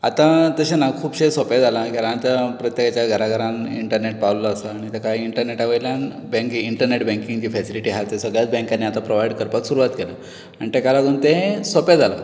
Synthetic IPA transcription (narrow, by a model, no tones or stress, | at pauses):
a̰t̪ãt̪əɕenakʰuːpɕesoped͡zalakaɾãt̪japɾət̪jekat͡ɕjaɡʱəɾaɡʱəɾamḭɳʈəɾneʈ̚paʋlaːsaːɽ̃it̪ekaɦiiɳʈəɾneʈaʋəjljan | bɛ̃ŋkiiɳʈəɾneʈbɛ̃ŋkiŋɡd͡ʑiːfɛsiliʈiɦat͡s̪esəɡɭjat͡sbɛ̃ŋkanːeat̪apɾoʋajiɽkəɾpat̪suɾuʋat̪kelə | anit̪ekalaɡoɳt̪eɦsoped͡zala